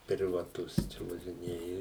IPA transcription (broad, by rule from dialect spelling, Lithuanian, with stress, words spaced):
pʲrʲɪʋɐˈtʊs t͡ʃʲɛ ʋɐʒʲɪˈnʲeːjɛ